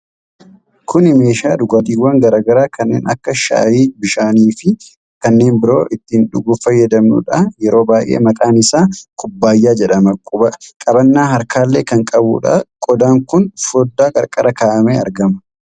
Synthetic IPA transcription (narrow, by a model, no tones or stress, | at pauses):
kʰʊnɪme̞ːʃaːᶑ̪ʊɡɐːd̪iːwːaːŋɡɐɾaːɡɐɾaːkʰɐnːeːnɐ̰kːɐʃa̰ːjiːbɪʃaːniːfɪ | kɐnːe̞ːnbɪɾo̞ːʔɪt̪ːɪnᶑʊɡʊfɐjːɐd̪ɐmnʊ̰ᶑɐjɛɾo̞ːbaːjʔe̞̰ːmɐkʼaːnɪsaːkʰʊbːaːjːaːd͡ʒɛᶑɐmɐkʼʊbɐkʼɐbɐnːaːɦɐɾkaːlːe̞ːkɐŋkʼɐbṵːᶑa̰kʼɔd̪aːŋkʊnfɔd̪ːaːkʼɐɾkʼɐɾɐkaːʔɐmeːɐɾɡɐmɐ